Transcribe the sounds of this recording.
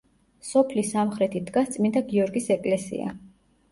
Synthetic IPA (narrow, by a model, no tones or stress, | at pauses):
sɔpʰlisamχɾɛt̪ʰid̪ɡast̪sʼmind̪aɡiɔɾɡisɛkʼlɛsḭa̰